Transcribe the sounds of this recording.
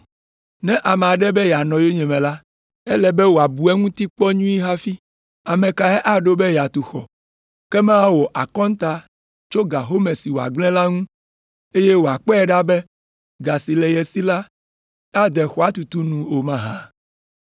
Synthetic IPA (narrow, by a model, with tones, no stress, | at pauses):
nɛ̃˦ʔa˨mɛ˨a˨ɖɛ˦bɛ˦ja˨nɔ̃˨jo˦ɲɛ̃˨mɛ̃˨la˦ | ɛ˦lɛ˨bɛ˦wo˨a˨bu˨ɛ˦ŋũ˦t̪i˦k͡pɔ˦ɲũ˦i˦ɦa˦fi˦ | a˨mɛ̃˨ka˨ɦɛ˦ʔa˦ɖo˦bɛ˦ja˨t̪u˨xɔ̰˨ | kɛ˦mã˦a˦wɔ˨ʔa˨kɔ̃˦n˦t̪a˦ | t͡ʃo˦ɡa˨ɦo˦mɛ˨si˨wo˨a̰˨ɡ͡blɛ̃˦la˦ŋũ˦ | e˦jɛ˦wo˨a˨k͡pɔ˦ɛ˨ɖa˦bɛ˦ | ɡa˨si˨lɛ˨jɛ˨si˦la˦ | a˦d̪ɛ˨xɔ˨a˦t̪u˨t̪u˦nũ˦o˨mã˦ɦã˨